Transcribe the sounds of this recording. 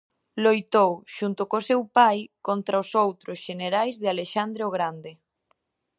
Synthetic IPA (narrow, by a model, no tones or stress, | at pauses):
lojt̪owʃunt̪ʊkosewpajkont̪ɾaosowt̪ɾosʃeneɾajzðɪaleʃand̪ɾeoɣ̞ɾand̪e